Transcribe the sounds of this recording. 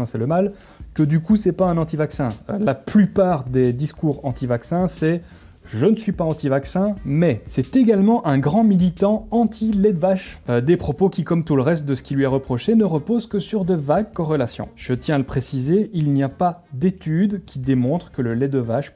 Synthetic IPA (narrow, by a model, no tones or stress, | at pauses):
ɛ̃sɛləmal | kəd̪ykusɛpaɛ̃nɑ̃t̪ivaksɛ̃laplypaːʁd̪ed̪iskuʁɑ̃t̪ivaksɛ̃sɛ | ʒənəsɥipaɑ̃t̪ivaksɛ̃mɛsɛt̪eɡalmɑ̃ʔɛ̃ɡʁɑ̃milit̪ɑ̃ɑ̃t̪ʰilɛd̪vaʃød̪epχɔpokʲikɔmt̪uləʁɛst̪̚d̪əsə̥kʲilɥiaʁəpχɔʃenəʁəpozkəsyʁd̪əvaɡ̚kɔʁəlasjɔ̰̃ʒ̥ət̪jɛ̃aləpχesizeilnijapad̪et̪yd̪kʲid̪emɔ̃t̪χə̥kələlɛd̪əvaʃ